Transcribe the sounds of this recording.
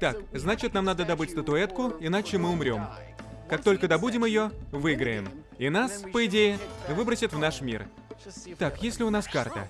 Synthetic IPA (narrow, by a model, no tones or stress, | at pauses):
t̪akznat͡ɕɪt̪namnad̪əd̪ɐbɨtʲst̪ət̪ʊɛt̪kʊɪn̪at͡ɕɪmɨʊmɾʲo̞m | kak̚t̪o̞lʲkəd̪ɐbudʲɪmjɪjo̞vɨɡɾəjɪ̰m | inaspəɪdʲejɪvɨbɾəsʲɪt̪vnaʂmʲḭr | t̪akjesʲlʲɪʊn̪aska̰rt̪ə̰